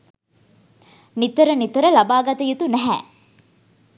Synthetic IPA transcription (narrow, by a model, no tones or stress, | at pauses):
nit̪ɐɾɐnit̪ɐɾɐlɐbaːɡɐt̪ɐjut̪unɛɦæ̰ː